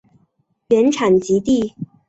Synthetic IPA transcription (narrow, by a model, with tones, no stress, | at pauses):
pjɛ˧˥nʈ͡ʂʰa˨˩nt͡ɕi˧˥t̪i˥˩